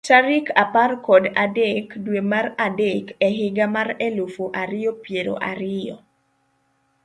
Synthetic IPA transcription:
taɾikʰaparkɔdadekdwemaradekɛɦɪɡamarɛlofoʔaɾɪjɔpjeɾo̰ʔaɾɪjɔ̰

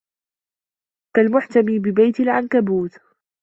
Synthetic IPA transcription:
kalmʊħt̪amiːbɪbajt̪ɪlʕankabuːt̪

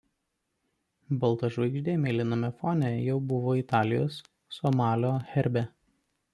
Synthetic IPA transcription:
bɐlˠt̪ɐʒɐɪʒʲd̪ʲeːmʲelʲɪnomʲɛfɔːnʲɛjɛʊbʊʋoːɪt̪ɑːlʲɪjo̰ːsː | ɔmɑːlʲoːxʲɛɾʲbʲɛ

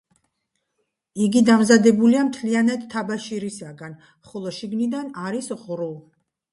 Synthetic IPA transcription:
iɡid̪amzad̪ɛbuliamt̪ʰlianat̪ʰːabaʃiɾisaɡan | χɔlˠɔʃiɡnid̪anaɾisʁɾu

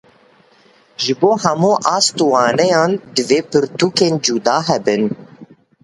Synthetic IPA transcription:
ʒɨboːhɛmuːʔɑːst̪uwɑːnɛjɑːnd̪ɨveːpɨɾt̪uːkeːnd͡ʒud̪ɑːɦɛbɨn

